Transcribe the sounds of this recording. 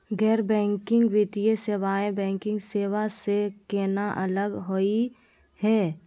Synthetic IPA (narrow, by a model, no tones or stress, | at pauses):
ɡɛːɾbɛ̃ːŋkɪ̃ŋɡʋɪt̪ieseʋaːẽbɛ̃ːŋkɪ̃ŋɡseːʋasekeːnaʔələɡɦoi | hɛː